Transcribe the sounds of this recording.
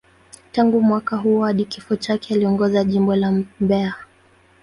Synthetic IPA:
taŋɡumwakaɦuaɗikifɔt͡ʃakɛaliɔŋɡɔzaʄimbɔlambɛa

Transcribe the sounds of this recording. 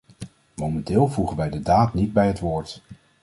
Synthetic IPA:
mowmɛntɪːlˠvuχənʋɛjdədaːtnid̚bɛjɦətʋʊːɹt

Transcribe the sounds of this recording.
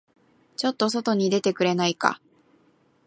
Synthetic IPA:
t͡ɕo̞t̪ːo̞s̬o̞t̪o̞ɲ̟id̪e̞t̪e̞kɯ̟ɾe̞naika̰

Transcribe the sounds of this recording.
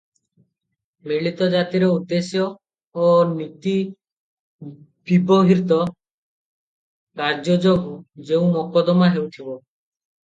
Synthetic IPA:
miɭit̪ɔd͡ʒat̪iɾeud̪esjɔː | nit̪i | bibɔɦiɾt̪ɔ | kaɾd͡ʒɔd͡ʒoɡud͡ʒeũmɔkɔd̪ɔmaɦewt̪ʰibɔ

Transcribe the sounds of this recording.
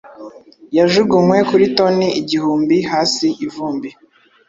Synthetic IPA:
jaʒuɡumwe̞kuɾito̞niiɟihuːmbihaːsiʔivuːmbi

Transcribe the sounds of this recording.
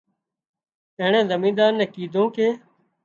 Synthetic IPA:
eːɳẽːzəmĩːd̪aːɾnɛ̃ːkiːd̪ʱõːkeː

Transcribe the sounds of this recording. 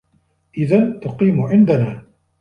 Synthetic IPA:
ʔɪðant̪ʊqiːmʊʕɪnd̪anaː

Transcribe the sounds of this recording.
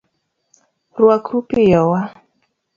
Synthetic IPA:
rwakʰɾupijɔwa

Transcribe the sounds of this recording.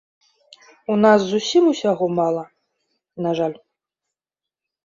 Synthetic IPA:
unaszusʲimusʲaɣɔmalˠɐ | naʐalʲ

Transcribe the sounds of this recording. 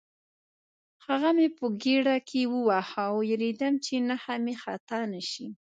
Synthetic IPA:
haɣamepəɡeɽakʰewəwahawjaɾed̪amt͡ʃenahamexat̪ɑnaʃi

